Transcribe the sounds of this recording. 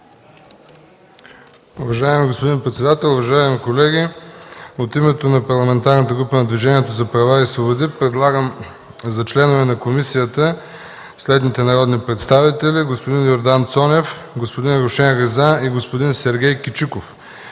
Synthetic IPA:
uvɐʒaɛmiɡospod̪inpɾɛt̪sɛd̪at̪ɛlˠʊvɐʒaɛmikolɛɡʲi | ot̪imɛt̪onɐpɐɾlˠɐmɛnt̪aɾnət̪əɡɾupənɐd̪viʒɛniɛt̪ozɐpɾɐvaisvobod̪ipɾɛd̪lˠaɡəm | zɐt͡ʃlɛnovɛnɐkomisijət̪ə | slɛd̪nit̪ɛnɐɾɔd̪nipɾɛt̪st̪avit̪ɛlʲiɡospod̪injoɾd̪ant̪sɔnʲɛf | ɡospod̪inɾoʃɛnɣɛzaiɡospod̪insɛɾɡʲɛjkit͡ʃikof

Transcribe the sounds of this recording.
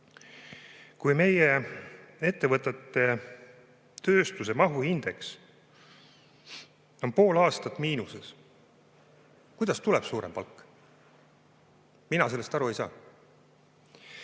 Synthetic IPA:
kujme̞je | e̞t̪ːe̞vɤt̪ːˑet̪ːˑe̞ | t̪ø̞ːst̪us̬e̞mɑɦuhind̪̥e̞ks | o̞npo̞ːlɑːst̪ɑt̪ːˑmiːnuses | kujd̪̥ɑst̪uleb̥suːɾempɑlkːˑ | minɑse̞lːest̪ɑɾue̞jsɑ̰ː

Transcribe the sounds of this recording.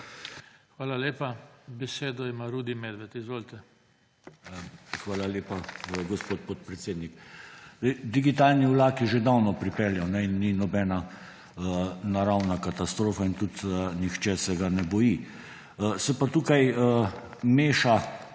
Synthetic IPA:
xʋaːlaleːpabɛseːd̪ɔimaɾuːd̪imɛd̪ʋɛt̪izʋoːlt̪ɛ | xʋaːlaleːpaɡɔspoːt̪̚pot̪̚pɾɛt̪seːd̪nik̪ɛɪd̪iɡit̪aːlniulaːkiʒed̪awnɔpɾipɛljawnɛinːinɔbɛːna | ənaɾawnakat̪ast̪ɾoːfaint̪ut̪ənixt͡ʃɛsɛɡanɛbɔji | əsɛpat̪uːkajə | meːʃa

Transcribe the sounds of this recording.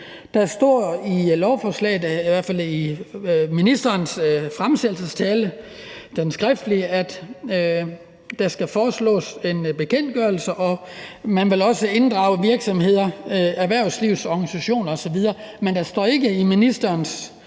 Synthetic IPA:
d̥ɑ̈sd̥ɒ̰ːilɒʊfɒːslɛ̰ːɪð̩ˠiʋæɐ̰fæl̰i | minisd̥ɐːnsfʁamsed̥l̩səst͡sʰɛːlə | d̥ensɡ̥ʁɛfd̥əliæd̥ | d̥ɑ̈sɡ̥æfɒːslɔ̰̽ːse̝nb̥e̝kʰen̰d̥̚ɡ̥ɶɐl̩səʔɒ̽mænʋe̝lɒ̽səe̝nd̥ʁɑ̈ʊəʋiɐɡ̥sɒ̽mhe̝ð̞̰ˠɐæɐʋæɐ̰ʊsliʊsɒɡ̥ænisæɕo̝̰ːnɒsɒ̽ʋiðˠɐːmend̥ɑ̈sd̥ɒ̰ːe̝ɡ̥əiminisd̥ɐːns

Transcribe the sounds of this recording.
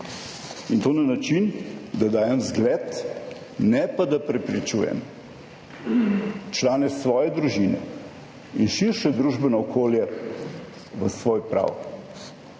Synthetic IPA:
int̪oːnanat͡ʃind̪ad̪aːjɛmzɡlɛt̪ | nɛpad̪apɾɛpɾit͡ʃuːjɛ̰m | t͡ʃlaːnɛsʋɔːjɛd̪ɾuʒinɛ̰ | inʃiɾʃɛd̪ɾuʒbɛnɔːkʰoːljɛ | ʋəsʋoːjpɾa̰w

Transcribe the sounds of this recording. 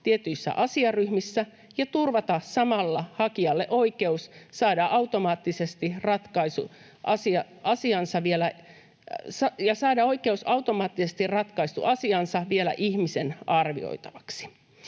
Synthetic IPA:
t̪iet̪yisːæ̰ʔɑsiɑryhmisːæ | jɑt̪urʋɑt̪ɑsɑmɑlːɑhɑkiɑlːeʔoikeussɑːdɑʔɑut̪omɑːt̪ːisest̪irɑt̪kɑisṵ | ʔɑsiɑ | ɑsiɑnsɑʋielæ | sɑjɑsɑːdɑoikeusɑut̪omɑːt̪ːisest̪irɑt̪kɑist̪ṵʔɑsiɑnsɑʋielæ̰ʔihmisenɑrʋḭo̰it̪ɑʋɑksi̥

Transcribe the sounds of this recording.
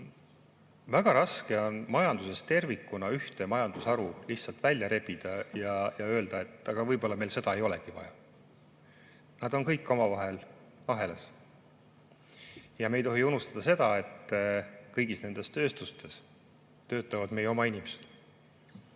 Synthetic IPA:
væɡ̥ɑɾɑske̞o̞nmɑjɑnd̪use̞st̪e̞rvikːˑunɑyht̪e̞mɑjɑnd̪̥usɑɾuliçtsɑlt̪vælʲjɑɾe̞pid̪̥ɑjɑjɑø̞ːld̪̥ɑe̞t̪ːˑɑɡ̥ɑvɤjbo̞lːɑme̞jlse̞d̪ɑe̞jo̞leɡ̥ivɑ̰jɑ | nɑd̪̥o̞nkɤjkːo̞mɑvɑɦe̞l | ɑɦe̞les | jɑme̞jt̪o̞ɦiunust̪ɑd̪̥ɑse̞d̪̥ɑe̞t̪ː | kɤjɡisne̞nd̪̥e̞st̪ø̞ːst̪ust̪e̞s | t̪ø̞ːt̪ːˑɑvɑd̪̥me̞jːeo̞mɑinʲimese̥d̪̥

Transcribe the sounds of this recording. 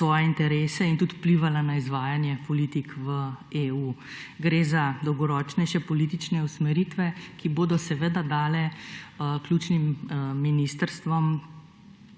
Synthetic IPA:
sʋɔːjɛint̪ɛɾeːsɛint̪ut̪u̥pliʋalanaizʋaːjanjɛpɔlit̪ikʋəeːuːɡɾeːzad̪ɔwɡɔɾɔːt͡ʃnɛʃɛpɔliːt̪it͡ʃnɛusmɛɾit̪ʋɛkiboːd̪ɔsɛʋeːd̪ad̪aːlɛ | kljuːt͡ʃnimminist̪əɾst̪ʋɔm

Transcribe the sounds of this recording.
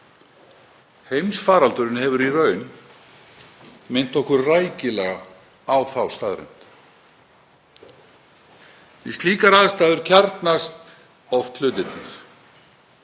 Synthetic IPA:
hejmsfaːɾalt̪ʏɾɪnhɛvʏɾirœɥn | mɪn̥t̪ɔhkʏɾrajcɪlɛɣa | awθawst̪aːðɾɛ̰n̥t̪ | ɛ̰st̪liːkaɾaðst̪aːðʏɾ̥cʰaɾt̪nast̪ | ɔft̪lʏːt̪ɪt̪nɪɾ̥

